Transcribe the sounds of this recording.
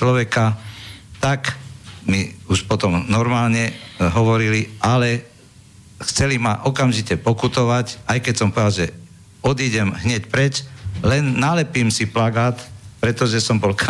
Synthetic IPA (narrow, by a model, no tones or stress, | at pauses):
lɔʋɛka | t̪akmiuʃpɔt̪ɔmnɔɾmaːlɲɛɦɔʋɔɾiliʔalɛ | xt͡sɛlimaʔɔkamʒicɛpɔkut̪ɔʋacajkɛcsɔmpɔʋɛd̪alʒɛ | ɔd̪iɟɛmɦɲɛcpɾɛt͡ʃlɛnːalɛpiːmsiplaɡaːt̪pɾɛt̪ɔʒɛsɔmbɔlk